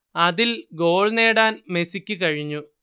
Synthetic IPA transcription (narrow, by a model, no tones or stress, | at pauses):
ɐðilɡo̞ːɭne̞ːɽaːnme̞sikʲːɨkɐɻiɲːu